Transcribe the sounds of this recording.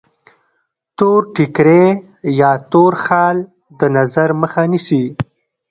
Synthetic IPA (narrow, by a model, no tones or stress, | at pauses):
t̪oɾʈɪkɾe | jɑt̪oɾxɑl | d̪ənazaɾməxanisi